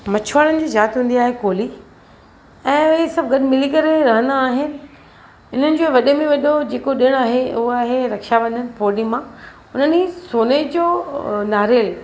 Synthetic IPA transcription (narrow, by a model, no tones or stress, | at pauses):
mɐt͡ɕʰʋaːɽənɪ̆d͡ʑiːzaːt̪ɦũːnd̪iaːɦekoːli | ɛ̃ːʊɦesɐbʱɡɐɗɪmɪlikɐɾeɾɐɦə̃nd̪aːɦɪnɪ̆ | ɪn̤ənɪ̆d͡ʑoːʋɐɗemẽʋɐɗod͡ʑeːkoɗɪɽ̃aːɦeʊɦaːɦeɾɐkʃaʋɐ̃nd̪ənɪ̆poːɾɗimã | ʊn̤ənisoːned͡ʑoːnaːɾel